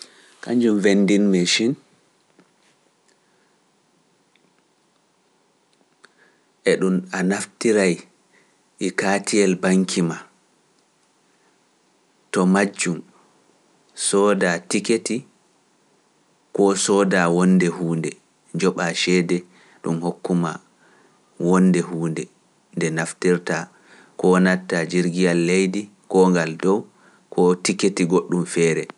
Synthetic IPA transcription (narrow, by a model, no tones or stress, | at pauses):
kaɲd͡ʒumvendinmɛʃin | ʔɛɗunanaftiɾaj | ʔikaːtʰiɛlbaŋkʰima | tɔmad͡ʒːum | sɔːdatiketi | kɔsɔːdawɔndɛhuːndɛ | d͡ʒɔɓaʃɛːdɛ | ɗumhokːuma̰ | wɔnːdɛhuːndɛ | ndɛnaftiɾta | kɔnatːad͡ʒiɾɡijalːejdi | kɔːŋɡaldɔw | kʰɔtiketiɡoɗːumfɛːɾɛ